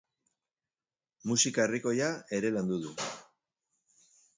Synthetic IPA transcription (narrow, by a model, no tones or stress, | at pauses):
musikaeriko̞jae̞ɾe̞land̪uðu